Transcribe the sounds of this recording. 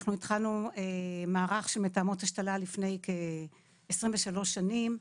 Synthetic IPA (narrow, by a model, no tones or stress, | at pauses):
χnuitχalnuemaːʁaχʃelmetaːmothaʃtalalifne̞jke | esʁimveʃalo̞ʃanim